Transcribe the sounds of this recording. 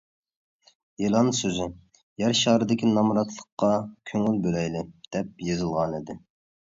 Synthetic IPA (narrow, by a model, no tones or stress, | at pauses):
elˠɑnsøzɪ | jæɾʃɑːɾɨd̪ɪkʲinɑmɾɑt̪ʰlˠəqːɑkʲʰøŋylbølɛjlɪd̪̥ɛp̚jezɨlˠʁɑnid̪ɪ